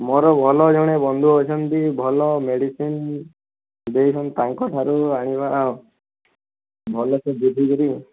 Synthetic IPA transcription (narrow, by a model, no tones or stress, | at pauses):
mɔɾɔbʱɔlɔd͡ʒɔɽ̃ebɔnd̪ʱuɔt͡ʃʰɔnt̪ibʱɔlɔmeɽisin | d̪ejt͡ʃʰɔnt̪aŋkɔʈʰaɾuaɽ̃iba | bʱɔlɔsebud̪ʱikɔɾi